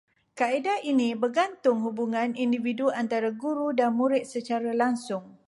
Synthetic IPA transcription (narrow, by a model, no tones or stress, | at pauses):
kaidainĩbərɡant̪ʊŋɦubuŋãnindividuant̪aɾaɡuɾudanmũɾɪt̪̚sət͡ʃaɾalaŋsʊŋ